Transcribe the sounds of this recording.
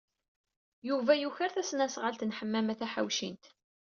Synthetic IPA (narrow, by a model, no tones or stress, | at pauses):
juvæjuçəɾθæsnæsʁəlt̪nħəmːæmæθæħa̰wʃḭnt̪